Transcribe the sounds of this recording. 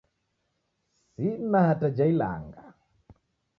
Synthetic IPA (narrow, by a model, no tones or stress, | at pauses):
sinahatad͡ʒaila̰ŋɡa